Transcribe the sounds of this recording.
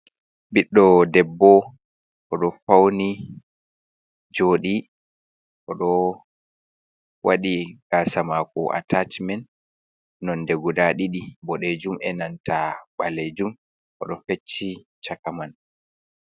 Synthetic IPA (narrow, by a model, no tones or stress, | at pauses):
ɓiɗːɔdɛbːɔ | ʔɔɗɔfawni | d͡ʒoːɗi | ʔɔɗɔ | waɗiɡ̥aːsamaːkɔʔa̰tat͡ʃmɛn | nɔndɛɡudaɗiɗibɔɗed͡ʒumɛnantaɓaled͡ʒum | ʔɔ̰ɗɔfet͡ʃːi | t͡ʃakaman